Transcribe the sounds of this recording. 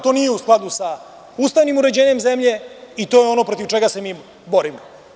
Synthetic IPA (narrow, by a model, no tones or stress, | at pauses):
t̪o̞nije̞usklˠad̪usa | ust̪aʋnimuɾe̞d͡ʑe̞ːɲe̞mzemʎe̞it̪o̞ːjeo̞no̞pɾo̞t̪iʋt͡ʃeɡase̞mi | bo̞ɾim